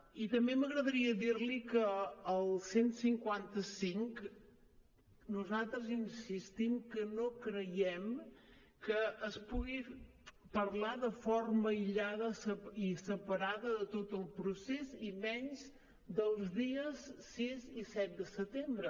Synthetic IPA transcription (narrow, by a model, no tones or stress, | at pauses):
it̪əmbeməɣɾəðəɾiəðiɾlikəːlˠsensiŋkwant̪əsiŋk | nuzalˠt̪ɾəzinsist̪imkənokɾəjɛm | kəːspuɣipəɾlaðəforməiʎaðəsəisəpəɾaðəðət̪ot̪əlˠpɾusezimɛnz | d̪əlˠzðiəssizisɛt̪̚d̪əsət̪embɾə